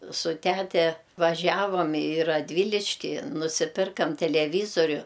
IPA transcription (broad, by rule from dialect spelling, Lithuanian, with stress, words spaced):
sʊ ˈtʲætʲɛ ʋɐˈʒʲæːʋɐm ɪ rɐˈdʲʋʲiːlʲɪʃʲkʲɪ nʊsʲɪˈpʲɪrkɐm tʲɛlʲɛˈʋʲiːzoːrʲʊ